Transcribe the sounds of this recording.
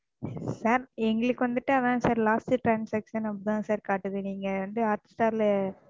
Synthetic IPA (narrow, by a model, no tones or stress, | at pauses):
saːɾɛŋɡɐɭɯkːɯʋɐnd̪ɯʈːɯɐðãːsaːɾlaːsʈɯʈɾaːnsɐkʂɐnɐpːðãːsaːɾkaːʈːɯðɯniːŋɡɐʋɐnd̪ɯaːɾt̪ɪ̥sʈaːɾl